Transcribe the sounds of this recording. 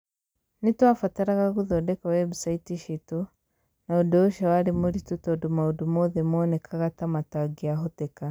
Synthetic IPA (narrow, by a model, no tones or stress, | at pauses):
nitwafataɾaɣaɣuðɔdɛkawɛbsaitiʃito | naodɔʃawaɾemuɾitutɔdumaodumɔðɛmɔnɛkʰaɣatamataɡiaɦɔtɛka